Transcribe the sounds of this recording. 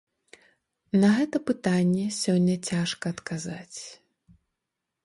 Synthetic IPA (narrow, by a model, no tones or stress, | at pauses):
nɐɣɛt̪ɐpɨt̪anʲːɛsʲɔnʲːɐt͡sʲaʂkɐːt̪kazat͡sʲ